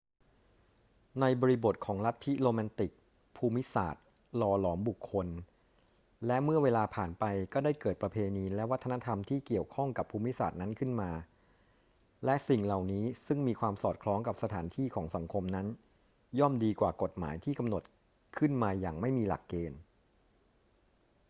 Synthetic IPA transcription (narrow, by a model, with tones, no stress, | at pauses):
na˧jbɔː˧ɾi˧˥bo˨˩t̪̚kʰɔː˩˦ŋla˦˥t̪ʰːi˦˥loː˧mɛː˧nt̪i˨˩k̚ | pʰuː˧mi˦˥sa̰ː˨˩t̪̚ | lɔː˧lɔː˩˦mbu˨˩kʰːo˧n | lɛ˦˥ʔmɯ˥˩ɐweː˧laː˧pʰaː˨˩npa˧jkɔː˥˩daː˥˩jkɤː˨˩t̪̚pɾa˧pʰeː˧niː˧lɛ˦˥wa˦˥t̪ʰːa˧na˦˥t̪ʰa˧mt̪ʰiː˥˩ki˨˩əwkʰɔ˥˩ŋka˨˩pʰːuː˧mi˦˥sa̰ː˨˩t̪̚na˦˥nkʰɯ˥˩nmaː˧ | lɛ˦˥ʔsi˨˩ŋla˨˩wniː˦˥sɯ˥˩ŋmiː˧kʰwaː˧msɔː˨˩t̪̚kʰlɔː˦˥ŋka˨˩p̚sa˧t̪ʰaː˩˦nt̪ʰiː˥˩kʰɔː˩˦ŋsa˩˦ŋkʰo˧mna˦˥n | jɔ˥˩mdiː˧kwaː˨˩ko˨˩t̪̚ma̰ː˩˦jt̪ʰiː˥˩ka˧mno˨˩t̪̚ | kʰɯ˥˩nmaː˧jaː˨˩ŋma˥˩jmiː˧la̰˨˩kːeː˧n